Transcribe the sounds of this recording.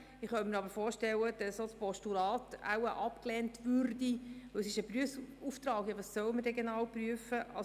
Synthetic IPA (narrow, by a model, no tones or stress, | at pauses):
ɪχχœlmɪːɾɑbəɾfoːɾʃtɛlːəd̥ɛssospɔʃtuɾɑːta̰wəʔɑpklɛntʋøɾdiʋɵwəsɪʃəpɾyəfsuːft̪ɾɑːɡjɑʋɑssœwəməɾrdeɡjenɑːwpryəfəʔɑ